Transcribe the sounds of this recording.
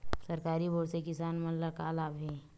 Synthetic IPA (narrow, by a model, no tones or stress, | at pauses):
sɐɾkaːɾibʱoɽsekɪsaːnmɐnlakaːlaːbʱẽ